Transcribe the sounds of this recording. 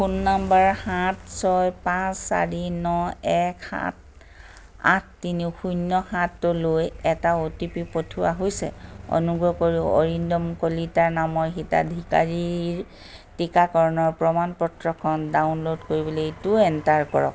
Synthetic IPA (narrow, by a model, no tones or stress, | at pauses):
xunːambaɹhatsɔjpãsːa̰ɹinɔɛkʰa̰t̚ | a̰t̚ʰtinixujnːɔxãtːʊlojɛtaotipipotʰuwa̰ɦojsɛ̰ɔ̰nuɡɹɔkoɹiɔ̰ɹindɔmkolitaɹnamɔɹxita̰dʱika̰ɹiɹ | tikakɔɹɔnɔɹpɹɔmanpɔtɹɔkʰɔndaʊnlodkoɹibɔleitʊɛntaɹkɔɹɔ̰k